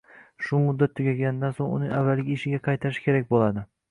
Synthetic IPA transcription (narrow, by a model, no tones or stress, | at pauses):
ʃʊmʊd̪ːat̪ʰːʊɡʲaɡʲanɪd̪ansoŋʊ̰nɪŋavːalɡʲɪɪʃɪɡʲaqʰɑjt̪ʰaɾɪʃɪ̥kʲe̞ɾak̚ʲbolad̪ɪ